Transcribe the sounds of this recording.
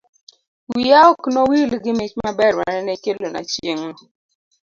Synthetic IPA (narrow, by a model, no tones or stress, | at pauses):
wijaɔknowilɡɪmet͡ʃmabɛɾma̰ɾɛnɛkelona̰t͡ʃeŋnɔ